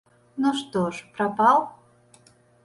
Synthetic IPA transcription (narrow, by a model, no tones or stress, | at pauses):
noʃt̪oʃprɑpɑlˠ